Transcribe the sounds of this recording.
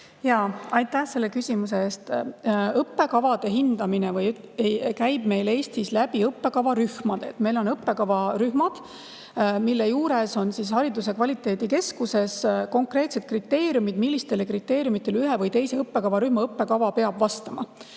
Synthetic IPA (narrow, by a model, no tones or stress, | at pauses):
jɑɑjt̪ːˑæhse̞lːe̞kysʲimuse̞eːst̪ɤpːe̞kɑvɑd̪̥e̞ɦind̪̥ɑminevɯj | kæjb̥me̞jle̞ːst̪islæb̥iɤpːe̞kɑvɑɾyhmɑd̪̥e̞t̪ːme̞jlo̞nɤpːe̞kɑvɑɾyhmɑd̪̥ | milːejuːɾe̞so̞nsis̬hɑɾid̪use̞kvɑlʲit̪ːˑe̞ːd̪̥ike̞skuse̞sko̞ŋkre̞ːt̪se̞d̪̥̚krit̪ːe̞ːɾjumid̪̥milːist̪e̞lekrit̪ːe̞ːɾʲijumit̪ːˑe̞lyɦevɯjt̪e̞jse̞ɤpːe̞kɑvɑɾyhmɑɤpːe̞kɑvɑpe̞ɑb̥vɑst̪ɑmɑ̰